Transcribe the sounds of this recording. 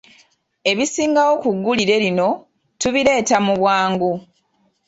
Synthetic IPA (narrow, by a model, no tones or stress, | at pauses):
e̞βisiːŋɡawo̞kuɡːuliɾe̞lino̞ | tuβiɾe̞ːtamuβwaːŋɡu